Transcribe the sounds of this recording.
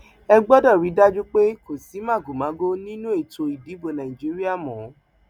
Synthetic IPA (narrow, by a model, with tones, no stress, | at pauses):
ɛ˧ɡ͡bɔ˦dɔ˦˨ɾi˨˦da˦d͡ʒu˦k͡pe˦ko˨si˨˦mã˦˨ɡu˨mã˨˦ɡo˦nĩ˦nũ˦e˦˨to˧i˨di˨˦bo˧nã˨ĩ˨d͡ʒi˨˦ɾi˦a˦˨mɔ̃˨˦